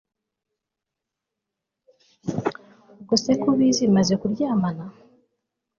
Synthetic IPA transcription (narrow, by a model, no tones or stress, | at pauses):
ɡosekuβizimazekuɾɟaːmana